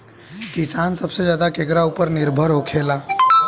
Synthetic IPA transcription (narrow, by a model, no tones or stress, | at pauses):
kisansəbsed͡ʒjad̪akekɾaupəɾniɾbʱəɾɦokʰela